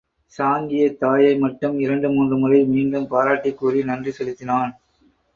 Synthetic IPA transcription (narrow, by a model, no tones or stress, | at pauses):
saːŋɡɪjɐt̪ːaːjɐɪmɐʈːɯmɪɾɐɳɖɯmuːndrɯmʊlɐɪmiːɳɖɯmpaːɾaːʈːɪkːuːrinɐndrisɛlɯt̪ːɪnaːn